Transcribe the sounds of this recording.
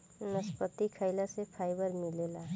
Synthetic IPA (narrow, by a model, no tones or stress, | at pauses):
nəspət̪ikʰəɪlasepʰaːɪbəɾmɪlela